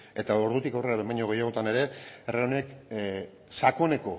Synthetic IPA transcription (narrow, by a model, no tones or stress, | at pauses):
e̞t̪ao̞ɾðut̪ikawre̞ɾaβemaɲoɣejaɣ̞o̞t̪ane̞ɾe̞ereonek | sakone̞ko̞